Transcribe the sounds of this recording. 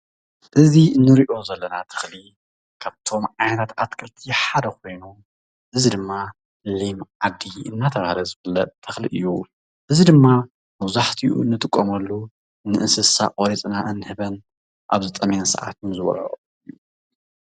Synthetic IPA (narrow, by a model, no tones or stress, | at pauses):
ʔɨziɨnːɨɾiʔo̞zɐlːɐnat̪ʰɨ̥xli | kʰaβt̪ʰo̞mʕajnɐt̪ʰat̪at̪kʰɐlt̪ʰiħad̪ɐko̞jnu | ʔɨzid̪ɨmːa | limʕad̪iɨ̰nːat̪ʰɐβahlɐzɨβɨlɐt̪ʰɨxliʔɨjːu | ʔɨzid̪ɨmːa | mɐβzaħt̪ʰijṵɨnːɨt̪ʼɨkʼːomɐlːu | nɨʔɨnsɨsa̰qʼoɾit͡sʼnaʔɨnːɨhɨβɐn | ʔa̰βzɨt̪ʼɐmansɐ̰ʕa̰t̪umzɨβɐ̰lo̰